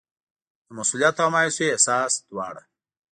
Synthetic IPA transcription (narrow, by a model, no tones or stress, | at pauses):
əmɐsulijat̪amajsiesaːsd̪̥uwa̰ːɽɐ